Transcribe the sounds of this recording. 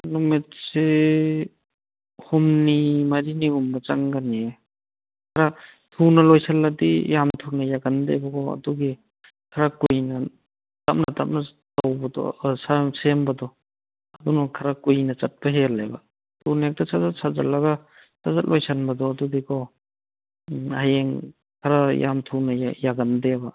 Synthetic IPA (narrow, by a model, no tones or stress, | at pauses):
nɔmet̚se | humnimaɾinihumbat͡ʃaŋɡane | kʰaɾa | tʰunalojsalːadijamtʰunajaɡandajbakʰɔwa̰duɡe | kʰaɾakujna | tap̚nata̰p̚na | towbɐdɔ̰sasembɐdɔ | adunɔkʰaɾakujnɐt͡ʃat̚baɦelːaba̰ | tʰunek̚tasʰazasʰaza̰tlaɡa | sʰazat̚lʔojsʰanbɐdɔːdudikʰɔ | hajeŋ | kʰaɾaja̰mtʰunajaɡandeba